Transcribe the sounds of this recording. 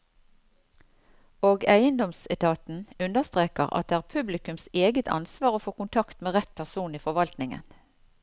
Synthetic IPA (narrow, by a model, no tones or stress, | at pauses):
oːɡæɪənd̪ɔmsɛt̪ʰɑːt̪n̩ʉnəʁst̪ʁeːkəʁɑ̰t̪̚d̪eːæːʁpʰʉblɪkʉmseːɡət̪ʰɑ̰nsʋɑːʁoːfoːkʊnt̪ʰɑkt̪meːʁɛt̪̚pʰæʁsuːniːfɔʁʋɑlt̪nɪŋə̰n